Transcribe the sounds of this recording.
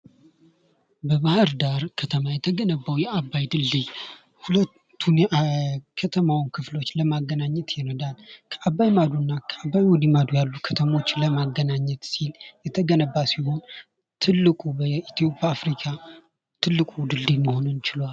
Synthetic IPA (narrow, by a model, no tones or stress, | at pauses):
bəβahaɾd̪aɾkʰət̪ʰəmajɛt̪ʰəɡənəbːawjɛʔabːajd̪ɨlːij | hulət̪ʰːunjɛkʰət̪ʰəmawnkʰɨflo̞t͡ʃːləmaɡːənaɲːɛt̪jɛnəd̪alkʰəʔabːajmad̪unːakʰəabːajwɔd̪imad̪ujalːukʰət̪ʰəmo̞t͡ʃːləmaɡːənaɲːɛt̪siljɛt̪ʰəɡənəbːasiho̞n | t̪ʰɨlːɨkʼubəit̪ijo̞pʼjaːfɾikʰa | t̪ʰɨlːɨkʼud̪ɨlːijməho̞nɨnt͡ʃɪlwal